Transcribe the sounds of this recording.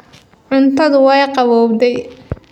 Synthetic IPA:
ʕʊnt̪ʰɐðʊwɛjqɑβɔːbd̪ɛj

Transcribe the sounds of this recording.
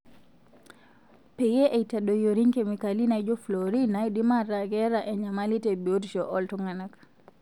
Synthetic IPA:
pɛjɛʔɛjtaɗɔjoɾiŋkɛmikalinajd͡ʒɔfloɾinajdimaɾaɡɛɾaʔɛɲamalitɛbiodʃɔʔɔltɔŋanak

